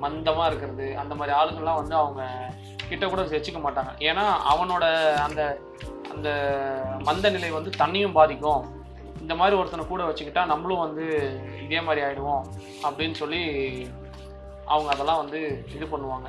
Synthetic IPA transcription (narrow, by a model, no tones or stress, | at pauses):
mɐnd̪ɐmaːɪɾɯkːɪɾɐðɯɐnd̪ɐmaːd̪ɾiaːɭɯɣɐɭlãːʋɐnd̪ɯɐʋɐŋɡɐ | kɪʈːɐkuːɽɐsɛt͡ʃːɯkːɐmaːʈːaːŋɡɐʔeːnaːɐ̰ʋɐnoːɽɐːnd̪ɐ | ɐ̰nd̪ɐmɐnd̪ɐnɪlɐɪʋɐnd̪ɯt̪ɐɳːɪjʊ̃mbaːðɪkʲːʊ̃ | ɪnd̪ɐmaːd̪ɾiɔɾɯt̪ːɐnɐkuːɽɐʋɐt͡ʃːɯkːɪʈːaːnɐmːɐɭʊ̃ʋɐnd̪ɯɪðeːmaːd̪ɾiaːjɪɽɯʋõ | ɐpːɐɽɪnːɯsɔlːi | ʔɐʋɐŋɡɐːðɛlːãːʋɐnd̪ɯɪðɯpɐɳːɯʋaːŋɡɐ